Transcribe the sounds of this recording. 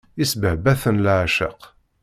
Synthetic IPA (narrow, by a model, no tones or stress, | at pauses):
isbəʕbæθənlʕaʃə̰q